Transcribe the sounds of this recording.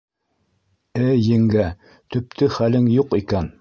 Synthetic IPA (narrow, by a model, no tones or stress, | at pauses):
æjɘ̆ŋɡæ | t̪ɵ̆p̚t̪ɘχælɘŋjuqikæn